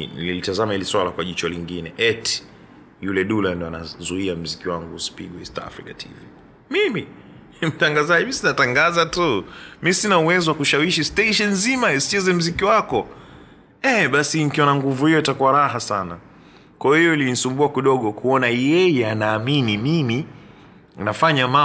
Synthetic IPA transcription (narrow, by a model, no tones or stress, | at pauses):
nilitazamahiliswalakwaʄit͡ʃɔliŋɡinɛ̰ʔɛt | julɛɗulandiɔana̰zuiam̩zikiwaŋɡusi̥pḭɠɔḭsta̰ːfɾikatʰḭvi | mimi | m̩taŋɡazaʄimisinataŋɡazatumisinauwɛziwakuʃawiʃistɛiʃɛnzimaɛsi̥t͡ʃɛzɛm̩zikiwakɔ | ɛɓasinikiɔnaŋɡuvuhijɔitakuaɾahasana̰ | kwajɔhijɔilinisumbuakiɗɔɠɔkuɔnajɛjɛanaːminimimi | nafaɲama